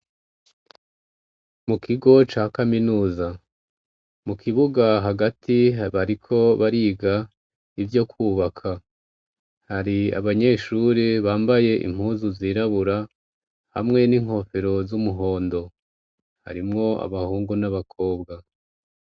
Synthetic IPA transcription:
mukiɡo̞t͡ʃaːkaminuːza | mukʰiβuɡaɦaɡatʰiβaɾikʰo̞βaɾiːɡa | ivjo̞kʰuːβakʰa | haɾia̰βaɲe̞ːʃuɾiβaːmbaje̞ʔḭm̥huːzuziːɾaβuɾa | ha̰mŋe̞niŋ̥ho̞fe̞ɾo̞zumuɦo̞ːndo̞ | ha̰ɾimŋo̞a̰βahuːŋɡunaβakʰo̞ːbɡa

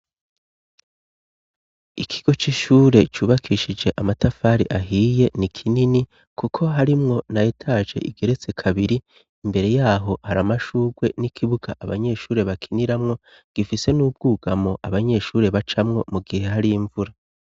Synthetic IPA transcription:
ikʰiɡ̥o̞t͡ʃiʃuːɾe̞t͡ʃuːβakʰiʃid͡ʒe̞ʔamatafaːɾiʔaɦiːje̞nikʰinini | kukʰo̞ɦaɾimŋo̞najetʰaːʒe̞̰ʔḭɡe̞ɾe̞t͡se̞kʰaβiɾiː | mbe̞ɾe̞jaːɦo̞haɾamaʃuːɡwe̞nikʰiβuɡ̥a̰ʔaβa̰ɲe̞ːʃuːɾe̞βakʰiniɾamŋo̞ | ɡ̥ifise̞nuːb̚ɡ̥uːɡ̥amo̞ʔaβaɲe̞ʃuːɾe̞βat͡ʃamŋo̞muɡihe̞ɦaɾiiɱvuɾa

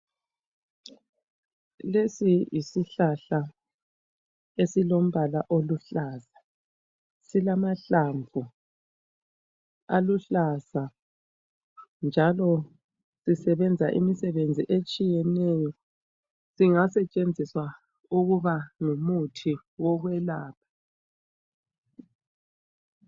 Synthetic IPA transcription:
lesijisiɬaɬa | esilom̩βalaʔoluɬaːza | silamaɬaɱvʱu | aluɬaza | nd͡ʒʱalɔ | sisɛβɛnd͡zʱaʔḭmisɛβend͡zʱiʔet͡ʃʼijɛnɛjɔ | siŋasɛt͡ʃʼend͡zʱiswa | uɣuβaŋumutʰi | wɔɣwɛlaːpʰḁ

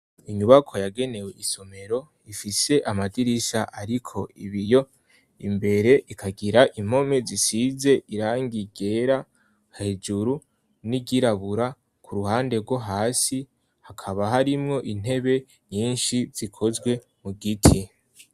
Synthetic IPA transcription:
iɲuβakʰo̞jaɡe̞ne̞we̞ʔiso̞me̞ɾo̞ | ifise̞ʔamadiɾisaʔaɾikʰo̞iβijo̞ | imbe̞ɾe̞ʔikʰaɡiɾaʔim̥ho̞me̞zisize̞ʔiɾaːŋɡiɡe̞ɾa | hahed͡ʒuɾu | niɟiɾaβuɾa | kʰuɾuɦaːnde̞ɾɡwo̞ɦaːsi | hakʰaβaɦaɾimŋo̞ʔin̥e̞βe̞ | ɲiːnʃiz̥ikʰo̞zɡwe̞ | muɡitʰi

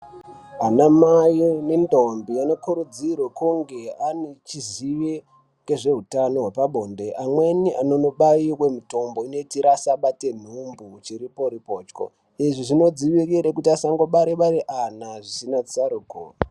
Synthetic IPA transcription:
anamajinendʱombiano̞kuɾud͡zirwekuŋɡe̞anet͡ʃiziʋe | ke̞ʐe̞ɦutano̞ɦwepaɓʱonde̞ʔamwe̞niʔano̞noɓaiwe̞muto̞mbo̞ino̞itiɾasaɓate̞n̤umbut͡ʃiɾipo̞ɾipo̞ːt͡ʃko̰ | iʐiʐino̞d͡ziʋiriɾekutiasaŋɡo̞ɓaɾeɓaɾeʔanaʐisinat͡saɾuːko̰

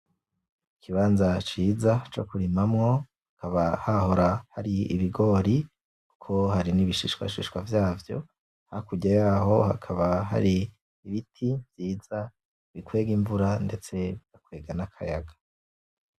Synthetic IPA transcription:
ikʰiβaːnzat͡ʃiːzat͡ʃo̞̰kuɾimamŋo̞ | akaβahaho̞ɾahaɾiḭβiɡo̞ːɾi | ku̥kʰo̞haɾiniβiʃiʃwa̰ʃḭʃwavjaːvjo̞̰ | hakuɟajaːɦo̞ha̰kʰaβaɦa̰ɾiː | βitʰivjiːz̥a | βikwe̞ːɡiɱvuɾande̞t͡se̞βiz̥akwe̞ːɡanakʰajaɡḁ

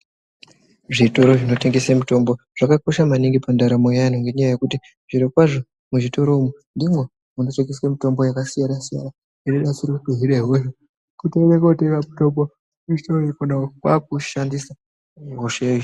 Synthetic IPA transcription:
ʐito̞ɾo̞ʐino̞te̞ŋɡe̞semuto̞mbo̞ | ʐ̥akako̞ʃamaniŋɡipandaɾamojan̤oŋɡe̞ɲajaje̞kuti | ʐiɾokwaʐo̞ | muʐito̞ɾo̞mwendimwe | unoteŋɡeswemito̞mbo̞jakasijanasija̰na | iɾeɗasiɾoukeɦiɗeɦoʃe | kuteɾekotekamutombo | ui̥toɾoekonakwak̚uʃandisa | ɦoʂe

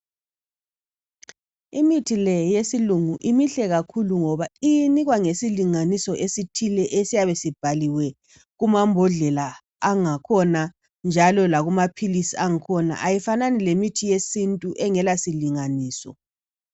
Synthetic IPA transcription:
imitʰilɛjesiluŋuʔimiɬɛɣakʰuluŋɔβaijiniɣwaŋesiliŋanisɔʔesitʰilɛʔesijaβesib̥ʱaliwɛ | ɣumambʱɔɮɛlaː | ŋakʰɔna | nd͡ʒʱalɔlaɣumapʰilisiaŋikʰɔna̰ʔajifananilemitʰijesintʼuʔɛŋɛlasiliŋaniːsɔ̰

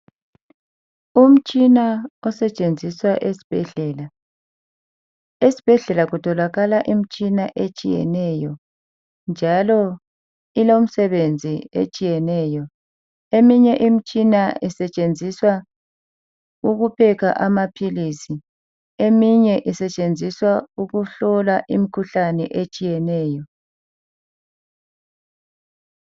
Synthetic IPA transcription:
um̩t͡ʃʼinaɔsɛt͡ʃʼend͡zʱiswaʔesi̥b̥ʱɛɮɛːla | esi̥b̥ʱɛɮɛlaɣutʰɔlaɣalaʔim̩t͡ʃʼinaʔet͡ʃʼijɛ̰nɛjɔ | nd͡ʒʱalɔ | ilom̩sɛβend͡zʱiḛt͡ʃʼijɛnɛːjɔ | emiɲɛʔim̩t͡ʃʼinaisɛt͡ʃʼend͡zʱiswa | uɣupʰɛkʰa̰ʔamapʰilisi | emiɲɛʔisɛt͡ʃʼend͡zʱiswauɣuɬɔlaʔimikʰuɬanɛ̰ʔet͡ʃʼijɛnɛːjɔ

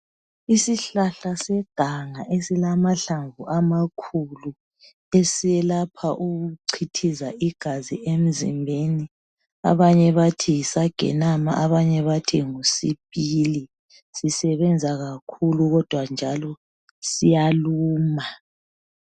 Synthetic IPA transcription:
isiɬaɬasɛɡ̥ʱaŋaʔesilamaɬaɱvuʔamakʰulu | esiɛlapʰaʔuɣuǀʰitʰizaʔiɡ̥ʱaziʔem̩zḭmbʱeni | a̰βaɲɛβatʰisaɡ̥ʱɛ̰nama̰ʔaβaɲɛβatʰiŋusḭpʼili | sisɛβɛnd͡zʱaɣakʰuluɣɔd̥ʱwand͡ʒʱalɔ | sijaluːma

